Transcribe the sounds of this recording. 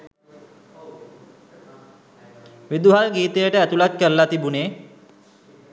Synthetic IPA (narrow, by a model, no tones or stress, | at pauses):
ʋid̪uɦalɡiːt̪əjəʈəæt̪ulat̪̚kəɾlat̪ibuneː